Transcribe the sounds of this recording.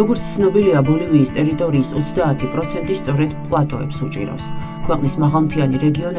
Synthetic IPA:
ɔɡɔɾt̪st̪sʰnɔbiliabɔliniːst̪ʼɛɾit̪ʼɔɾiːsɔt̪sʰd̪aːt̪ʰipʼɾɔt̪sʰɛnt̪ʼist̪sʼɔɾɛd̪pʼlˠat̪ʼɔɛpsut͡ʃʼḭɾa̰fs | kʰwɛqʼnismaʁalˠmt̪ʰianiɾɛɡiɔn

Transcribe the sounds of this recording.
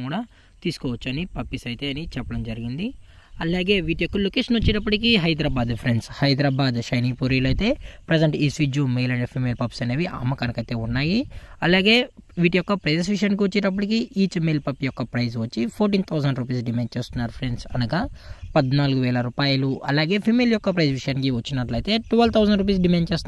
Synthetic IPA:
kuːɽaː | t̪iːsu̥kɔːʋɐt͡ʃːuɐnipɐpːisɐjt̪eːɐnit͡ʃɛpːɐɽɐmd͡ʒɐɾiɡind̪iɐlaːɡe̞ːʋiːʈijɔkːɐlukiʃnɐt͡ʃːinɐp̬ːuʈikiɦɐjd̪ɾaːbaːd̪pʰɾeɳɖshɐjd̪ɾaːbaːd̪ʃɐjniːpuːɾiːlɐjt̪e̞ːpɾed͡ʒɐɳʈiːsʋid͡ʒjumeːlɐɳɖpʰiːmeːlpɐpsɐneːʋiʔɐ̰mːɐkɐnɐkɐjt̪e̞ːunːaːjiɐlaːɡeːʋiːʈijɔkːɐpɾɐd͡ʒes̬ʋiʂ̬ɐjaːnik̬iʋɐt͡ʃːiʈɐp̬ːuʈikiʔiːt͡ʃmeːlpɐpjɔkːɐpɾɐjzʋɐt͡ʃːipʰoːɾʈ̬iːnt̪ʰɐwzɐɳɖɾuːp̬iːsɖimaːɳ̚t͡ʃeːst̪unːaːɾupʰɾeɳɖsɐnɐɡɐpɐd̪naːluɡuʋɛːlɐɾuːpaːjɐluʔɐ̰laːɡe̞ːpʰimeljɔkːɐpɾɐjzʋiʂɐjaːnk̬iʋɐt͡ʃːinːɐʈlɐjt̪e̞ːʈuʋɐlt̪ʰɐwzɐɳɖɾuːp̬iːs̬ɖimeːɳɖt͡ʃeːst̪un

